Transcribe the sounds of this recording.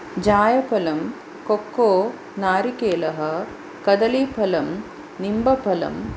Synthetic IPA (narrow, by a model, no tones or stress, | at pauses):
d͡ʑaːjɐpʰɐlɐm | kokːoː | naːɾikeːlɐɦɐ̆ | kɐd̪ɐliːpʰɐlɐm | nimbɐpʰɐlɐ̰m